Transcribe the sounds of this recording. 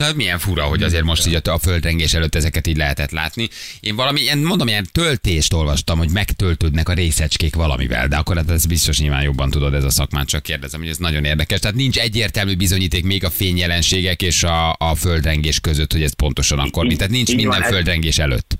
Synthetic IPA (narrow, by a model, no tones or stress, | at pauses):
omijɛɱfuɾɒɦo̞ɟɒzeːrmo̞ʃt̪iːɟɒɒføld̪rɛŋɡeːʃɛløt̪ːɛzɛkɛt̪iːɟʲlɛɦɛt̪ɛt̪la̰ːt̪nieːɱvɒlɒmieːnmond̪o̞mejɛnt̪ølt̪eːʃt̪o̞lvɒʃt̪ɒmhoɟmɛkt̪ølt̪øːd̪nɛkɒɾeːsɛt͡ʃkeːkʋɒlɒ̰mḭvɛ̰ld̪ɛɒkːoɾaːt̪ɛsbist̪o̞ʃɲilva̰ːnjo̞bːɒnt̪ud̪o̞d̪ɛzɒsɒkmaːnt̪t͡ʃɒkːeːrd̪ɛzɛmho̞ɟɛznɒɟo̞neːrd̪ɛkɛʃt̪ɛaːt̪nint͡ʃɛɟːeːrt̪ɛlmyːbizo̞ɲiːt̪eːkmeːɡɒfeːɲjɛlɛnʃeːɡɛkeːʃɒːføld̪rɛŋɡeːʃkøzøt̪ho̞ɟɛst̪̚po̞nt̪o̞ʃɒnɒ̰kːormit̪aːt̪nint͡ʃmind̪ɛɱføld̪rɛŋɡeːʃɛlø̰t̪ː